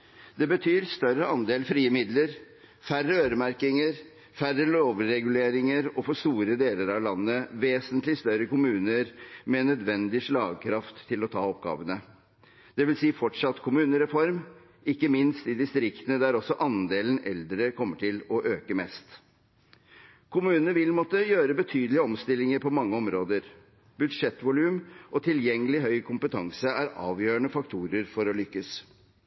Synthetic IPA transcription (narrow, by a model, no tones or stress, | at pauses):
d̪ɛbət̪ʰyːɾst̪œɾəɑnd̪eːlfɾiːəmɪd̪ləɾ | færəøːɾəmæɾkɪŋəɾ | færəloːʋɾɛɡʉleːɾɪŋəɾɔfɔst̪uːɾəd̪eːləɾɑʋlɑnːəʋeːsənt̪lɪst̪œɾəkʊmʉːnəɾmɛnœd̪ʋɛnd̪ɪʂɭɑːɡkʰɾɑft̪ʰːɪlɔt̪ʰɑːɔp̚ɡɑ̰ːʋənə | d̪̥ɛʋɪlsiːfɔʈʂɑt̪ːkʰʊmʉːnəɾɛfɔɾm | ɪkːəmɪnst̪ɪd̪ɪst̪ɾɪkt̪ənəd̪æɾɔsɔʔɑnd̪eːlənɛ̰ld̪ɾəkʰɔmːəʈʰɪlɔʔøːkəmɛst̪ | kʰʊmʉːnənʋɪlmɔt̪ːəjøːɾəbət̪ʰyːd̪əlɪəɔmst̪ɪlːɪŋəɾpʰɔmɑŋːəɔmɾoːd̪əɾ | b̥ʉd̪ʂɛt̪ːʋʊlʉːmʔɔt̪ʰɪljɛŋːəlɪɦœʏkʰʊmpət̪ʰɑŋsəæɾɑ̰ːʋjøːɳəfɑk̚t̪ʰuːɾəɾfɔɾɔlʏkːəs